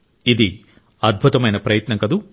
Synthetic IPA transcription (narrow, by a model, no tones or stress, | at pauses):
id̪i | ɐd̪̚bʱut̪ɐmɐjnɐpɾɐjɐt̪nɐŋkɐd̪u